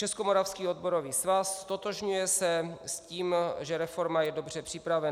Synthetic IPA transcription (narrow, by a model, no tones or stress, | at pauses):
t͡ʃɛskomoɾafskiːod̪̚bo̞ɾo̞viːsvasːt̪ot̪oʒɲujɛsɛsciːmʒɛɾɛfo̞ɾmajɛdobr̝ɛpr̥ɪpɾavɛ